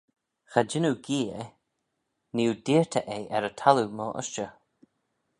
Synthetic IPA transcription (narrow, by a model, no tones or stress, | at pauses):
xad͡ʒɪnuɡiːe | niudiːɹt̪ʰəʔejʔɛɾət̪ʰalumɔːʔə̰ʃt͡ʃə